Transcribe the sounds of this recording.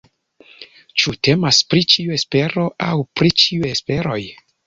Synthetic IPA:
t͡ʃute̞maspɾit͡ʃiue̞spe̞ɾo̞ʔawpɾit͡ʃiuespe̞ɾo̞j

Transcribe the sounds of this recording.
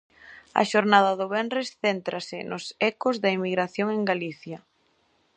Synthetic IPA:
ɐ̰ʃoɾnaðɐðʊβɛnrɪsθent̪ɾɐsɪnʔʊsɛkʊzðɐimiɣɾaθjoŋeŋɡaliθjɐ

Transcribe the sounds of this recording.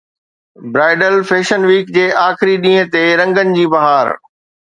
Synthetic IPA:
bɾaːɪɖəlfeːʃənʋiːk̚d͡ʑeːʔaːxɪɾiɗĩːɦə̃t̪eɾɐ̃ŋɡənɪ̆d͡ʑiːbɐɦaːɾ

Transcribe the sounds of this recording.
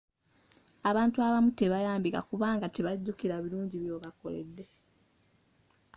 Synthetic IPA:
aβaːntuaβamute̞βajaːmbika̰kuβaːŋɡateβaɟːukiɾaβiɾuːɲɟiβjo̞ːβako̞̰lḛd̪ːe̞

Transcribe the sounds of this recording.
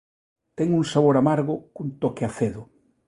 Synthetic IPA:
t̪ɛŋuŋsaβoɾamaɾɣokunt̪okeaθeðʊ

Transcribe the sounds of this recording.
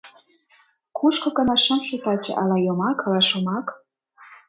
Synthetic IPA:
kʰuʃkɤ̆kɤ̆nɑʃɑmʃut̪ɑt͡ɕɤ̰ʔɑlɑjomɑkʰɑlɑʃomɑk

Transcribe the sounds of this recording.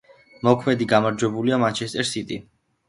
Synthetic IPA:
mɔkʰmɛd̪iɡamaɾd͡ʒwɛbuliamant͡ʃʰɛst̪ʼɛɾsit̪ʼi

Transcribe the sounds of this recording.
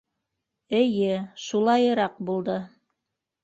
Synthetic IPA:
ɘ̆jɘʃulˠɑjɤ̆ɾɑq̚bulˠd̪ɤ

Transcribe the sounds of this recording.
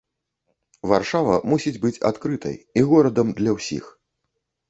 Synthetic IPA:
varʂavɐ̰musʲid͡zʲbɨt͡sʲa̰t̪kɾɨt̪ʰɐ̰jiɣɔɾɐd̪ɐmd̪lʲɐwsʲḭx

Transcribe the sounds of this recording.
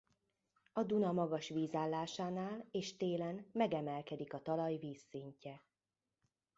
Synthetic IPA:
ɒd̪unɒmɒɡɒʃʋiːzaːlːaːʃaːnaːleːʃt̪eːlɛnmɛɡɛmɛlkɛd̪ikɒt̪ɒlɒjviːsːiɲcɛ

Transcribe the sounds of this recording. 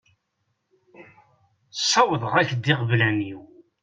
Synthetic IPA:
sˤːɑwəðˤʁæçd̪iʁvlæniw

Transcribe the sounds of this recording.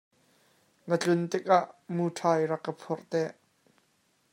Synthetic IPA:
ŋət͡ɬʊnt̪ɪk̚ʔaʔmutʰaːjrɐkːəpʰɔrʔt̪ɛʔ

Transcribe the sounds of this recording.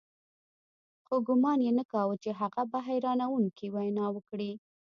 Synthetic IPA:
xoɡʊmɑnjenəkɑwət͡ʃeɦaɣabaɦajɾɑnawuŋkiwajnɑwəkɽi

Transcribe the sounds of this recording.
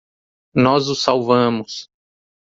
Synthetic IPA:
nɔzʊsawvɐ̃mʊs

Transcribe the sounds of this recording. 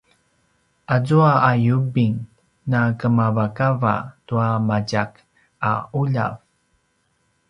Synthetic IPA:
ʔazuaːjubiŋ | nakəmavakava̰tuamaɟak | auʎa̰v

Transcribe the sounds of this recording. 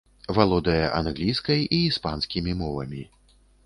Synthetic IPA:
valˠɔd̪ɐjɐʔanɣlʲijskɐjiːspanskʲimʲimɔvɐ̰mʲi

